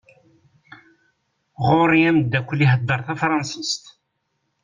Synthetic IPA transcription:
ʁʊɾˤiæməd̪ːækʷːliɦəd̪ːəɾθæfɾˤɑnsist̪

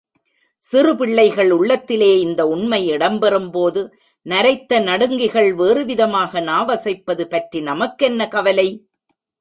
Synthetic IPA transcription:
sɪrɯpɪɭːɐɪɣɐɭʊɭːɐt̪ːɪleːɪnd̪ɐʊɳmɐɪɪɽɐmbɛrɯmpoːðɯ | nɐɾɐɪt̪ːɐnɐɽɯŋɡɪɣɐɭʋeːrɯʋɪðɐmaːɣɐnaːʋɐsɐɪpːɐðɯpɐʈrinɐmɐkːɛnːɐkɐʋɐlɐɪ

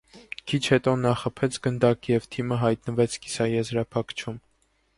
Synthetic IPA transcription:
kʰit͡ʃʰhɛt̪ɔnɑχəpʰɛt͡sʰɡənd̪ɑkjɛvt̪ʰiməɦɑjt̪nəvɛt͡sʰki̥sɑjɛzɾɑpʰɑkt͡ʃʰum

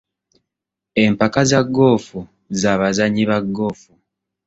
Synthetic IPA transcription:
e̞mpakazaɡːo̞ːfu | zaːβazaɲiβaɡːo̞ːfu

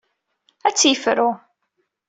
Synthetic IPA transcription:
æt͡sːjəfɾʊ

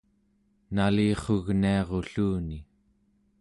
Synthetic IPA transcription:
naliːχo̞ɣniɑʁo̞ɬuːni

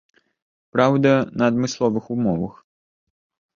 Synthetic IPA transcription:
pɾawd̪ɐnɐːd̪mɨslˠɔvɨxumɔvɐx

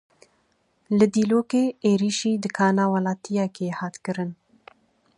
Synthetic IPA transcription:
lɨd̪iːloːkeːeːɾiːʃiːd̪ɨkʰɑːnaːwɑlɑːt̪ʰijɛkeːhɑːt̪kɨɾɨn

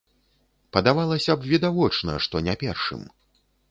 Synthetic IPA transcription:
pɐd̪avalˠɐsʲɐbvʲid̪avɔt͡ʂnɐ̰ʂt̪ɔnʲɛpʲɛrʂɨ̰m

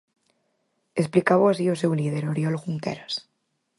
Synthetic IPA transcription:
esplikaβoas̬ios̬ewlið̞eɾoɾjolɣuŋk̪ḛɾas

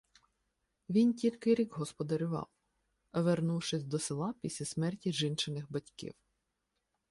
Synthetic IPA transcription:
ʋʲintʲilʲkɪɾʲiɡɦɔspɔd̪ɐɾʲʊʋɑ̰w | ɐʋernuwʃɪsʲd̪ɔsɪlˠɑpʲisʲlʲɐsmɛrtʲiʒɪnt͡ʃenɪxbɐtʲkḭw

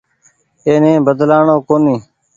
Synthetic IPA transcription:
eːnẽːbəd̪laːɳoːkoːnĩː

